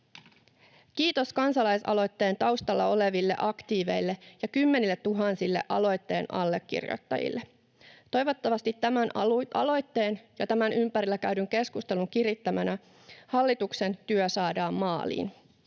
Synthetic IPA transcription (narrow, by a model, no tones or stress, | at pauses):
kiːt̪o̞skɑnsɑlɑjsɑ̰lo̞jt̪ːe̞ːnt̪ɑwst̪ɑlːɑole̞ʋilːe̞̰ʔɑkt̪iːʋe̞̰jlːejɑkymːe̞nilːe̞t̪t̪ːuɦɑnsilːe̞̰ʔɑ̰lo̞jt̪ːe̞̰ːnʔɑ̰lːe̞kːḭrjo̰jt̪ːɑ̰jḭlːe | t̪o̞jʋo̞t̪ːɑʋɑst̪it̪ːæmænʔɑ̰lo̞jt̪ːe̞ːnjɑt̪æmænympæɾilːækæɥdyŋk̟e̞skust̪e̞luŋkirit̪ːæmænæ | hɑlːit̪ukse̞nt̪yøsɑːdɑːmːɑːlḭːn